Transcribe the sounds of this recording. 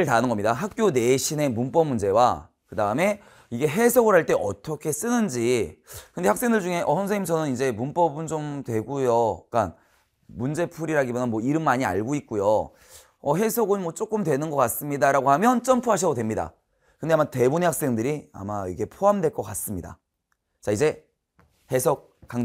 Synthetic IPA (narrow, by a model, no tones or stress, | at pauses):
ɯɭtanɯnŋɡʌmɲidaɦak̚k͈jone̞ɕʰine̞munp͈ʌmund͡ʑe̞wa̰ | kɯdaɯme̞ | iɡe̞ɦe̞sʰʌɡɯɭhaɭt͈e̞ʔʌt͈ʰʌkʰe̞s͈ɯnɯnd͡ʑikɯnde̞haks͈e̞ŋdɯɭd͡ʑuŋe̞ʔʌsʰʌnsʰeŋimsʰʌnɯnid͡ʑe̞munp͈ʌbɯnt͡ɕomtwe̞ɡujok͈a̰n | mund͡ʑe̞pʰuɾiɾaɡibʌnanmwʌiɾɯmːaɲia̰ɭɡoik̚k͈ujo | ʌɦe̞sʰʌɡɯnmwʌt͡ɕ͈ok͈ɯmdwe̞nɯnɡʌk͈as͈ɯmɲidaɾaɡoɦamjʌnt͡ɕ͈ʌmpʰuɦaɕ̬ʰʌdodwe̞mɲida̰ | kɯndeamate̞bunehak̚s͈e̞ŋdɯɾia̰maiɡe̞pʰoɦamdwe̞ɭk͈ʌk͈as͈ɯmɲida̰ | t͡ɕaid͡ʑe̞ | he̞sʰʌk̚k͈aŋ